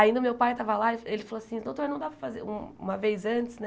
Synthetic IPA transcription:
aĩnd̪ɐʊmewpajt̪avɐlaielɪfaloasĩd̪õt̪oɾnɐ̃w̃d̪apɾɐfazeɾũṵ̃mɐvejzɐ̃t͡ʃɪsnɛ

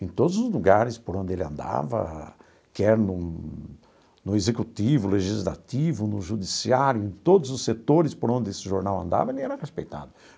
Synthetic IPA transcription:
ẽt̪od̪ʊzʊzluɡaɾɪspoɾõnd̪ɪelɪɐ̰̃nd̪a̰vɐ̰ | kɪɛɾɐnʊ | nʊezekut̪ivʊleʒizla̰t̪ivʊnʊʒud̪isiaɾjʊẽt̪od̪ʊzʊsːet̪oɾɪspoɾõnd̪ɪesɪʒoɾnawɐ̰̃nd̪a̰vɐelɪɛɾɐʁespejt̪a̰d̪ʊ

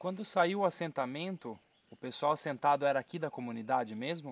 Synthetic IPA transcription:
kwɐ̃nd̪ʊsaiwasẽnt̪amẽnt̪ʊ | ʊpesuawsẽnt̪ad̪ʊɛɾɐaːkid̪ɐkomũnid̪ad͡ʒɪmezmʊ

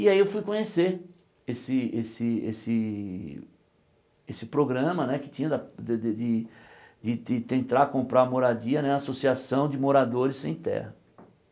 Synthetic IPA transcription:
ɪaiewfujkõɲeseɾ | esɪesɪḛsɪ | esɪpɾoɡɾɐ̃mɐnɛkɪ̥t͡ʃ̪ĩɲɐd̪ɐd̪d̪ɪd̪ɪd̪ɪd̪ɪt̪ẽnt̪ɾaɾɐkõmpɾaɾmoɾad͡ʒiɐnɛasosiasɐ̃w̃d͡ʒɪmoɾad̪oɾɪsːḛ̃j̃t̪ɛ̰hɐ

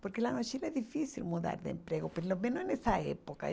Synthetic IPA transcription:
poɾkelanosilezðifisilmuða̰ɾðeḛmpɾeɣopelomenoenesaḛpoka

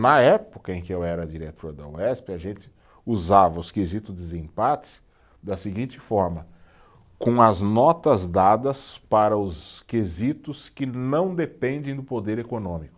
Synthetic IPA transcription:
nɐɛpʊkɐẽkɪewɛɾɐd͡ʒiɾet̪ʰoɾd̪ɐṵɛspɪɐʒẽnt͡ʃ̪ɪ̥ | uzavɐʊskezit̪ʊd̪ɪzẽpatɪ̥s | d̪ɐseɡĩnt͡ʃɪfɔɾmɐ | kõɐznɔt̪ɐzd̪ad̪ɐspaɾɐʊskezit̪ʊskɪnɐ̃w̃d̪epẽnd̪ẽj̃d̪ʊpod̪eɾekonõmikʊ

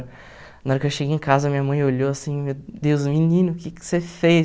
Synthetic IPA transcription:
ɾ | nɔɾɐkɪewʃeɡejẽkazɐmĩɲɐmɐ̃j̃oʎoasĩmewd̪ewzminĩnʊkɪkɪ̥sefe

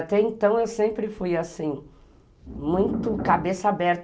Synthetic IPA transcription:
t̪ɛẽnt̪ɐ̃w̃ewsẽmpɾɪfujasĩ | mũj̃t̪ʊkabesɐabɛɾt̪

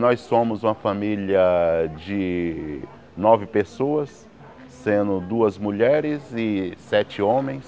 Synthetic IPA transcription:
nɔjsːõmʊzũmɐfamiljɐd͡ʒɪ | nɔvɪpesoɐsː | ẽnd̪ʊd̪uɐzmuʎɛɾɪzɪsɛt͡ʃɪõmẽj̃s

